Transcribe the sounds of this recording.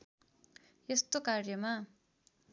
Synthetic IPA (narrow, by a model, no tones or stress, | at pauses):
jest̪okarjʌma